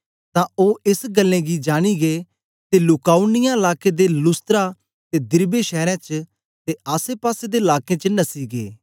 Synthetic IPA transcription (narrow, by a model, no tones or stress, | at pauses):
t̪ãːoːɪsɡəlːẽɡid͡ʒaːɽ̃iɡeː | t̪elʊkaːunɪjãɪlaːked̪elʊst̪ɾa | t̪ed̪ɪɾbeʃɛːɾɛ̃ːt͡ʃ | t̪eaːsepaːsed̪eːɪlaːkẽt͡ʃənɐsiɡḛː